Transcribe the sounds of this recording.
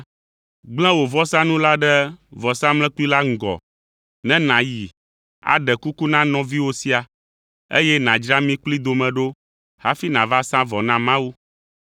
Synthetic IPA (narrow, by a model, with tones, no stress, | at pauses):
ɡ͡blɛ̃˦wo˨vɔ˦sã˦nũ˦la˦ɖɛ˦vɔ˨sã˦mlɛ̃˦k͡pu˦i˦la˦ŋ̩˨ɡɔ̰˨ | nɛ̃˦nã˨ji˨ | a̰˨ɖɛ˨ku˦ku˦nã˦nɔ̃˦vi˦wo˦si˦a˨ | ḛ˦jɛ˦nã˨d͡ʒɾa˦mĩ˦k͡pli˦d̪o˨mɛ̃˨ɖo˦ | ha˦fi˦nã˨va˦sã˦vɔ˨nã˦mã˦wu˦